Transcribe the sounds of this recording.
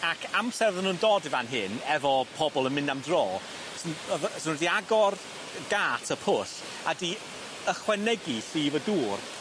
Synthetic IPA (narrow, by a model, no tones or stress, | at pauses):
akʰamsɛrvðənuːndoːdivanɦɨnɛvɔpʰɔbɔlˠənmɪnamdroː | sənəðsənwɛdiaɡɔr | ɡaːtʰəpʰʊs | adi | əχwɛnɛɡiɬiːvəduːr